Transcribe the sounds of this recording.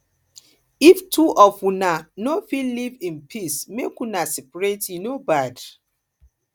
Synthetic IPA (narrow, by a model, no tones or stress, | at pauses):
iftʰuʔɔfunanofilivĩnpʰismekwunasɛpaɹetjinobad